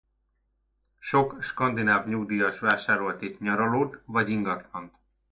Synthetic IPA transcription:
ʃo̞kʃkɒnd̪inaːvɲuɡd̪ijɒʃʋaːʃaːɾo̞lt̪etɲɒɾoloːt̪vɒɟiŋɡɒt̪lɒnt̪

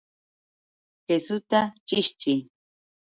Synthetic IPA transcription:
xesʊt̪at͡ʃɪʃt͡ʃɪj

